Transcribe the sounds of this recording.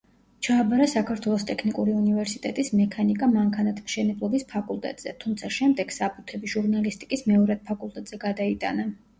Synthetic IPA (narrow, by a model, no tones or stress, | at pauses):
t͡ʃʰaːbaɾasakʰaɾt̪ʰwɛlˠɔst̪ʼɛkʰnikʼuɾiunivɛɾsit̪ʼɛt̪ʼismɛkʰanikʼamaŋkʰanat̪ʰmʃɛnɛblˠɔbispʰakʼulˠt̪ʼɛ̰t̪ʼz̥ɛ̰t̪ʰumt̪sʰaʃɛmd̪ɛɡ̥sapʰʼut̪ʰɛbiʒ̥uɾnalist̪ʼi̥kʼismɛɔɾad̪̥̚pʰakʼulˠt̪ʼɛt̪ʼz̥ɛɡad̪ait̪ʼa̰na